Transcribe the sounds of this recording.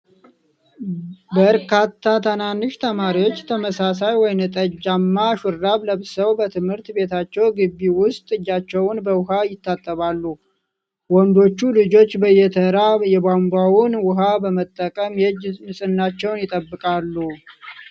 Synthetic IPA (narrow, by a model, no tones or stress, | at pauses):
bəɾkʰat̪ʰːat̪ʰənanːɨʃt̪ʰəmaɾiwo̞t͡ʃːt̪ʰəməsasajwɔjnt̪ʼəd͡ʒːamːaʃʊɾːaβləβsəwbət̪ʰɨmhɨɾt̪be̞t̪ʰat͡ʃːɛwɡɨbːiwʊst̪ʼɨd͡ʒːat͡ʃːɛwnbəwʊɦajɪt̪ːat̪ʼːəβalːu | wɔnd̪o̞t͡ʃːulɨd͡ʒo̞t͡ʃːbəjɛt̪ʰəɾajɛbambawʊnwʊɦabəmət̪ʼːəkʼəmjɛd͡ʒmɨsʼɨnːat͡ʃːɛwnjɪt̪ʼəbːɨkʼalːu